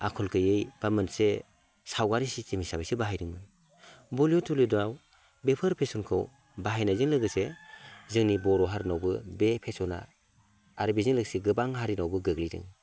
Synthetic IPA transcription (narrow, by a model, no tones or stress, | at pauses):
akʰɔlkɯjejb̥amɯnse | sawɡaɾisitimisabajsibaɦajdɯŋmɯn | bɔljɔtʰuliduaw | bepʰɯɾpʰesɔnkʰɯw | baɦajnazɯŋlɯɡɯsezɯŋnibɔɾɔɦaɾnawbɯbepʰesɔna̰ː | ɾibiziŋlɯksiɡɯbaŋɦaɾinawbɯɡɯɡlidɯ̰ŋ